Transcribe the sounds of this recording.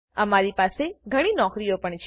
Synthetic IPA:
əmaɾipaseɡʱəɽ̃inɔkɾijopəɳt͡ʃʰ

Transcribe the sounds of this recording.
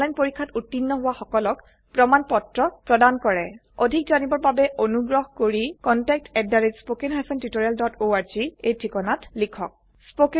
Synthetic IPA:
lajnpoɹikʰːatutːinːɔɦʊwaxɔkɔlɔk | pɹɔmanpɔtɹɔpɹɔdankɔɹɛ | odʱikzanibɔɹbabɛʔonuɡɹɔɦkoɹikɔntɛk̚tɛdaɹid͡ʒspokɛnɦajpʰɛntitoɹialdɔtoaɹziejtʰikɔnatlikʰɔk̚ | spok

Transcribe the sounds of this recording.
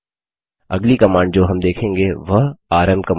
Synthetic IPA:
ɐ̰ɡlikɐmãːɳɖd͡ʒoːɦɐmd̪eːkʰẽːŋɡeʋɐɦaːɾəmkɐm

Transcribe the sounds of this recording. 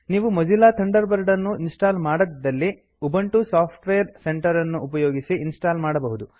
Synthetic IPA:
niːʋumɐd͡ʒilaːt̪ʰɐɳɖɐɾbɐɾɖɐnːuinsʈaːlmaːɽɐd̪d̪ːɐlːi | ubɐɳʈusaːpʰʈʋeːɐɾse̞ɳʈɐɾɐnːuːpɐjoːɡisiʔinsʈaːlmaːɽɐbɐɦud̪u

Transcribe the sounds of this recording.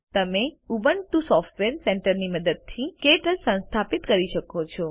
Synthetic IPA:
t̪əmeubəɳʈusɔfʈʋeɾseɳʈəɾniməd̪əd̪̚t̪ʰikeʈəlsə̃nst̪ʰapit̪kəɾiʃəkot͡ʃʰɔ

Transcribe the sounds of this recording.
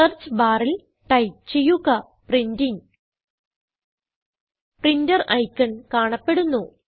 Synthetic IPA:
ɐrt͡ɕbaːril | ʈɐjt͡ɕejːuɣɐ | prindiŋ | prindɐrɐjkːɐɳkaːɳɐpːe̞ɽunːu

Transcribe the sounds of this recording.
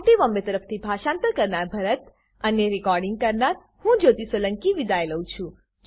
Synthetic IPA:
ʈiʋɔmbet̪əɾəpʰt̪ʰibʱaʃãnt̪əɾkəɾnaɾbʱəɾət̪ | ənjeɾikɔɾɖiŋɡ̚kəɾnaɾ | hũd͡ʒot̪isələŋkiʋid̪ajləũt͡ʃʰũ

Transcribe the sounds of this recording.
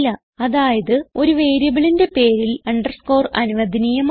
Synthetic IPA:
lːɐ | ɐðaːjɐðɨo̞ɾuʋe̞ːɾjɐbɐɭinde̞pe̞ːɾilɐɳɖɐrsko̞ːrɐ̰nuʋɐd̪ʱinijɐm

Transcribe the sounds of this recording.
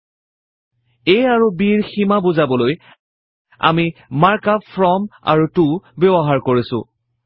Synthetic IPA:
ejaɹubiɹximabuzabɔloj | a̰mimaɹkapʰɹɔma̰ɹutubebɔɦaɹkoɹisʊ̰̃

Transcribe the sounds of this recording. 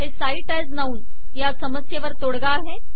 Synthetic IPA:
ɦesaiʈajznauːn | jasəməsjeʋəɾt̪oɽɡaːɦe

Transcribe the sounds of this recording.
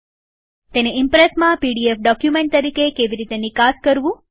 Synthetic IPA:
t̪eneɪmpɾesmãpiɖiefɖɔkjumẽɳʈ̚t̪əɾikekeʋiɾit̪enikaskəɾʋũ

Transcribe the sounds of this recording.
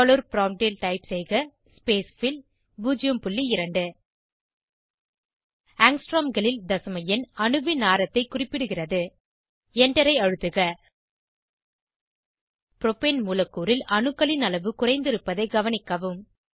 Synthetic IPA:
ɐlɔɾpɪɾaːmʈilʈɐɪpsɛɪɣɐ | speːsfɪl | buːd͡ʒɪjɐmpʊɭːiɪɾɐɳɖɯ | aːŋsʈɾoːmɡɐɭɪld̪ɐsɐmɐjɪnɐɳɯʋɪnaːɾɐt̪ːɐɪkʊrɪpːɪɽɯɣɪrɐðɯ | ɛɳɖɐɾɐɪɐɻɯt̪ːɯɣɐ | pɪɾɔpenmuːlɐkːuːɾɪlʔɐɳɯkːɐɭɪnɐlɐʋɯkʊrɐɪnd̪ɪɾɯpːɐðɐɪɡɐʋɐnɪkːɐʋɯm

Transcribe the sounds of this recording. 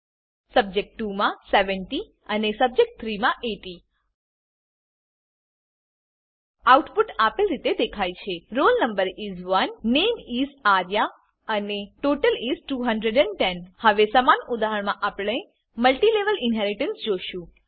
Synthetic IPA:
səb̚d͡ʒek̚ʈːumãseʋəɳʈi | ənesəb̚d͡ʒek̚ʈ̚t̪ʰɾimãʔeʈi | auʈpuʈapəlɾit̪ed̪ekʰajt͡ʃʰeɾolnəmbəɾizʋənːemizaɾja | əneʈoʈəlizʈuɦəɳɖɾeɖɛɳʈɛnhəʋesəmanud̪aɦəɳmãʔapəɳe | məlʈileʋəlɪnɦɛɾiʈənsd͡ʒoʃũ

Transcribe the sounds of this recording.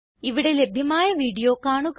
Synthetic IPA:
iʋiɽe̞le̞bʱjɐmaːjɐʋiːɽijo̞ːkːaːɳuk

